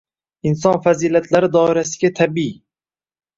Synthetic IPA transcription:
ɪns̬ɒnfaziːlat̪ʰlaɾɪd̪ɒɪɾasɪɡʲat̪ʰabi

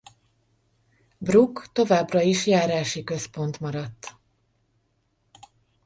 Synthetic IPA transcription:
brukt̪o̞vaːbrɒiʃjaːɾaːʃikø̞spo̞nt̪mɒɾɒt̪ː

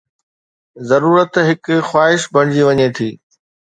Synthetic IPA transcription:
zɐɾuːɾət̪ɦɪkxwaːɦɪʃbʱɐɽ̃d͡ʑiʋɐɲet̪ʰiː

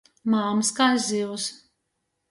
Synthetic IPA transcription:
maːmskajziws

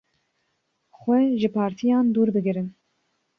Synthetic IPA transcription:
xʷwɛʒɨpʰɑːɾt̪ʰijɑːnd̪uːɾbɨɡɨɾɨn

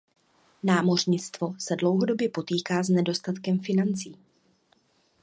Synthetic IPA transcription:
naːmo̞r̝ɲɪt͡st̪vo̞sɛdlo̞wɦo̞do̞bjɛpo̞t̪iːkaːznɛdo̞st̪at̪kɛmfɪnant͡siː

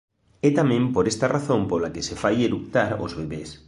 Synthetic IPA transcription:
ɛt̪amẽmpoɾest̪araθõmpolakesefajeɾuk̚t̪aɾo̰zβeβes

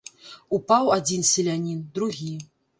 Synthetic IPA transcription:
upawad͡zʲinsʲelʲanʲind̪ɾuɣʲi

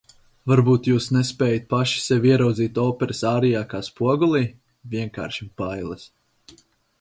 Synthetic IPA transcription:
vaɾbuːt̪juːsnɛspʲɛːjat̪̚paʃi̥sɛvʲiɛɾawd̪ziːt̪ɔːpɛɾəsaːɾijaːkaːspuɔɡulˠiː | vʲiɛŋka̰ːɾʃimpajlˠɐs

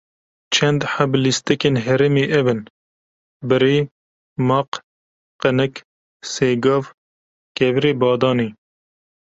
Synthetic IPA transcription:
t͡ʃʰɛnd̪ħablist̪ɛkenɦɛɾemeːʔɛvɨn | bɨɾeː | mɑːq | qənɨk | seːɡɑːv | kɛviɾeːbɑːd̪ɑːneː

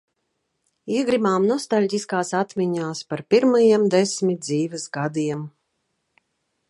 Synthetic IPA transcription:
iɛɡɾimaːmnuɔst̪alʲɟʲiskaːsat̪mʲiɲaːspaɾpʲiɾmajimd̪esmʲit̪̚d̪ziːvɛsɡad̪iɛm

